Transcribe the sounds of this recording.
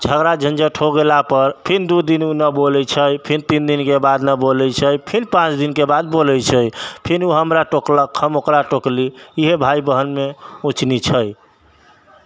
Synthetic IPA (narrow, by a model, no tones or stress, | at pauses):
d͡ʒʱəɡɾad͡ʒʱə̃nd͡ʒəʈʰɦoɡelapəɾpʰind̪ud̪inunəbolɛt͡ʃʰəjpʰint̪ind̪inkebad̪nəbolɛt͡ʃʰəjpʰinpãt͡ʃd̪inkebad̪̚bolɛjt͡ʃʰəjpʰinuɦəmɾaʈokləkhəmokɾaʈokliːɦebʱaibəɦənmeut͡ʃnit͡ʃʰəj